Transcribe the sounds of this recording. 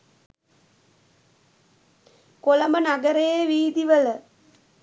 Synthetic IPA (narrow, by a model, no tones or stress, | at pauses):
kolɐmbənɐɡɐɾejeʋiːd̪iʋɐl